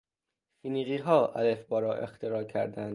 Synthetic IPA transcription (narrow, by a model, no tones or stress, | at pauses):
fiːniɣiːɦɒːʔælefbɒːɾɒːʔe̞̰xt̪ʰeɾɒːcʰæɾd̪ænd̪̥